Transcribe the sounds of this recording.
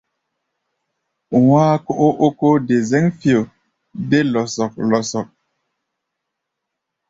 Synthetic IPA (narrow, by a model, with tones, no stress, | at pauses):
waː˦ko˦ʔo˦ʔo˦ko˦de˨ze˦ŋfi˨o˨ | de˦lɔ˨sɔ˨k̚lɔ˨sɔ˨k̚